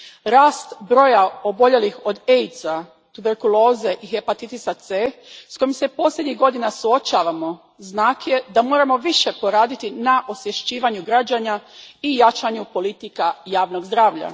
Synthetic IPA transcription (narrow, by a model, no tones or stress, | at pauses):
ɾaːst̪bɾo̞jao̞bo̞ʎe̞lixo̞d̪ejt̪sa | t̪ube̞ɾkulo̞ːze̞ʔixe̞pat̪it̪isat̪sesko̞jimse̞po̞slʲjed̪ɲiɣɡo̞d̪inasuo̞t͡ɕaːʋamo̞ | znaːkje̞d̪amo̞ːɾamo̞ʋiʃe̞po̞ɾaːd̪it̪inaʔosjeʃt͡ɕiːʋaɲuɡɾad͡ʑaɲaijat͡ʃaɲupo̞lit̪ikajaːʋno̞ɡzd̪ɾaːʋʎa̰